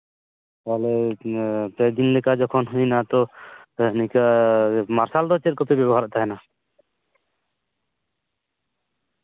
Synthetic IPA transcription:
kalɛ | pɛd̪inlɛkad͡ʒɔkʰɔnɦujnat̪ɔ | nikamaɾsald̪ɔt͡ʃɛt̪̚kɔpɛbjɛbɔɦaɾaʔt̪aɦɛna

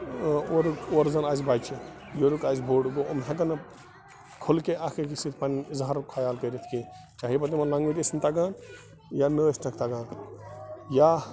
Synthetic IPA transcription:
oɾkoːɾzɐnaːzbat͡ʃʰi | joɾukaːzbʱoːɽɡoomɦẽkɐnɐ | kʰolkeʔakʰekisit̪ʰpʰanzɐɦɐɾkʰajaːlkəɾet̪ʰki | t͡ʃaːɦibɐt̪̬imɐnlaŋɡʋiɾʲesint̪aɡaːn | janəsʈʰɐkʰt̪aɡaːn | ja

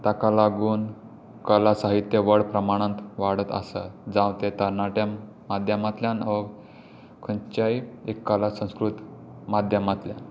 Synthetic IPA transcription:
t̪akalaɡuːn | kəlasaɦit̪jeʋəɽpɾəmaɽ̃ãnt̪ʋaɽət̪ə̰sa̰d͡zãwt̪et̪əɾnaʈjã | mad̪ʱjəmat̪ljanə | kʰənt͡ɕaiekːalasə̃w̃skɾut̪mad̪ʱjəmat̪ljan

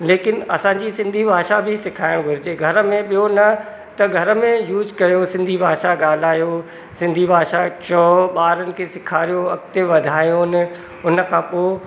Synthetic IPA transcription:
leːkɪnɐsãːɲd͡ʑisɪ̃nd̪ʱibʱaːʃabʱɪsɪkʰaːɪɽ̃ɡʱʊɾɪd͡ʑeɡʱɐɾəmẽɓijonɐ | t̪ɐɡʱɐɾəmẽjuːzkɐjosɪ̃nd̪ʱibʱaːʃaɠaːl̤aːjo | sɪ̃nd̪ʱibʱaːʃat͡ɕɔːɓaːɾənɪ̆kʰeːsɪkʰaːɾijoɐkt̪eʋɐd̪ʱaːjon | ʊnə̆kʰãːpoː

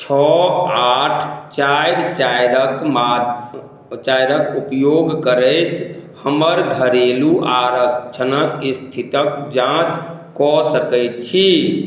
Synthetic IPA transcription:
t͡ʃʰɔaʈʰt͡ʃajɾt͡ʃajɾəkmad̪ | t͡ʃajɾəkupjoɡkəɾəjt̪həməɾɡʱəɾeluʔaɾət͡ʃʰənəkist̪ʰit̪əkd͡ʒãt͡ʃkɔsəkɛjt̪̚t͡ʃʰi

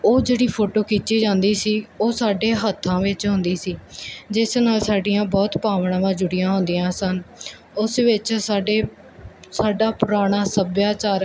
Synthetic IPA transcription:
oːd͡ʒeːɽiːpʰoːʈoːkit̪ʃiːd͡ʒãːnd̪iːsiːoːsaːɖeːɦət̪ʰːãːʋɪt͡ʃɦʊ̃nd̪iːsiːd͡ʒɪsnaːlsaːɖɪjãːbɔːt̪paːʋɳãːʋãːd͡ʒʊɽɪjãːɦʊ̃nd̪ijãːsən | ʊsʋɪt͡ʃːɖeː | saːɖaːpʊɾaːɽ̃aːsəbjaːt͡ʃaːɾ

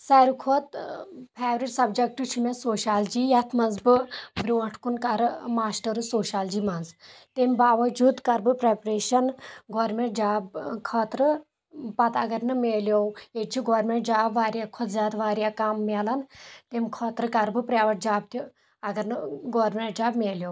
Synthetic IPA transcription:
sɐɾukʰot̪pʰeːʋɾiʈsɐbd͡ʒɐk̚ʈut͡ʃʰimʲɐsoːʃaːld͡ʒiːjɐt̪ʰmɐnzbɨbɾʲuɐʈʰkunkɐɾmaːsʈɐɾɨsoːʃaːld͡ʒiːmɐnzt̪emʲbaːʋɐd͡ʒuːd̪kɐɾbɨpɾepɾeːʃɐnɡoːɾmeɳʈ̚d͡ʒaːbkʰɐːt̪ɾɨ | pɐt̪ɐɡɐɾnɨmeːljoːweʈ̚t͡ʃʰiɡoːɾmẽɳʈd͡ʒaːbʋaːɾʲjakʰɔt̪zʲaːt̪ʋaːɾjakamːelɐnt̪emʲkʰɔːt̪ɾɨkɐɾbɨpɾaʋɐʈ̚d͡ʒaːb̚t̪ʰi | ɐɡɐɾnɨɡoːɾmʲeɳʈd͡ʒaːbmʲeːljoːw

